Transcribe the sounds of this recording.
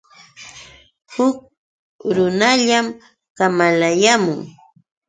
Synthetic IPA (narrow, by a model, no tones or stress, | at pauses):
hʊk̚ | ɾʊnaʎam | kamalajamʊŋ